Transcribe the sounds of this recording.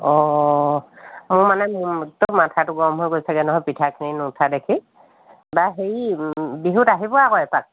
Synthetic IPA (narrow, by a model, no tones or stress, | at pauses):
ɔ | mʊɹmanɛmtomatʰatʊɡɔmɦojɡojsʰɛɡɛnɔɦɔjpitʰakʰininʊtʰadekʰi | baɦeɹibiɦutaɦibɔakɔjpak̚